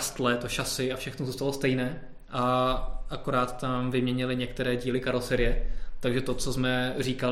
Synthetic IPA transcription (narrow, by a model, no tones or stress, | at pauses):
st̪lɛt̪oʃasɪafʃɛxnozuːst̪alost̪ɛjnɛː | ʔaʔako̞ɾaːt̪ːamvɪmɲɛɲɪlɪɲɛkt̪ɛɾɛːɟiːlɪkaɾlosɛɾɪjɛt̪aɡʒɛt̪o̞t͡sozmɛriːka